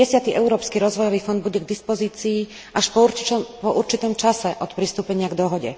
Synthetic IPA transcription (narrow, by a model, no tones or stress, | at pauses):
ɛsɪat̪iʔɛʊɾɔːpskiɾɔzʋɔjɔʋiːfɔnd̪buɟɛɡd̪ispɔziːt͡siː | ʔaʃpɔɾpɔʔuɾt͡ʃit̪ɔmt͡ʃasɛʔɔt̪pɾist̪uːpɛɲɪaɡd̪ɔɦɔɟɛ̰